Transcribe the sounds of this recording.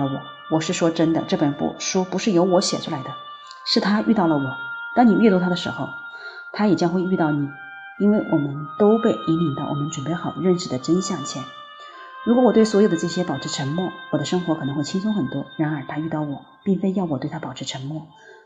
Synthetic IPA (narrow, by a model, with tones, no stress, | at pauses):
ə˧˩wɔ̰˨˩˦ | wɔ˨˩ʂɻ̩˥˩ʂwɔ˥ʈ͡ʂə˥nd̪ə̰˨ʈ͡ʂɤ˥˩pə˨˩nfṵ˥˩ʂwɔ˥pu˧˥ʂɻ̩˥˩jo˧˥ʊwɔ˧˥ɕjɛ̰˨˩ʈ͡ʂʰu˥la˧˥ɪd̪ə˧ | ʂɻ̩˥˩t̪ʰa˥y˥˧ɑ˥˩ʊlə˩wɔ˨˩˦t̪ɑ˥ŋni˨˩y˥˧t̪u˥˩t̪ʰa˥d̪ə˨ʂɻ̩˧˥xo˥˧ʊ | t̪ʰa˥jɛ˨˩t͡ɕjɑ˥ŋxwe˥˧ɪy˥˧t̪ɑ˥˩ʊni˨˩˦ | i˥nwe˥˩ɪwʔɔ˨˩mə˦nt̪o˥ʊpe˥˧ɪʔi˧˥mi˧˥ŋt̪ɑ˥˩ʊwɔ̰˨˩mə˦nʈ͡ʂwə˨˩npe˥˩ɪxɑ˨˩ʊɻə˥˩nʂɻ̩˥˩d̪ə˦ʈ͡ʂə˥nɕjɑ˥˩ŋt͡ɕʰjɛ˧˥n | ɻu˧˥kwɔ˧˥wɔ˨˩t̪we˥˩ɪswɔ˧˥jo˨ʊd̪ə˦ʈ͡ʂɤ˥˩ɕjɛ˥pɑ˨˩ʊʈ͡ʂʰɻ̩˥˧ʈ͡ʂʰə˧˥ŋmwɔ˥˩wɔ˨˩d̪ə˦ʂɤ˥ŋxwɔ˧˥kʰɤ˨˩ɤ˧˥ŋxwe˥˩ɪt͡ɕʰi˥ŋsʊ˥ŋxə˨˩nt̪wɔ˥ɻa˧˥nə˞˧˥t̪ʰa˥y˥˧t̪ɑ˥˩ʊwɔ˨˩˦pi˥˩nfe˥ɪjɑ˥˩ʊw̪we˥˩ɪtʰa˥pɑ˨˩ʊʈ͡ʂʰɻ̩˧˥ʈ͡ʂʰə˧˥ŋmwɔ˥˩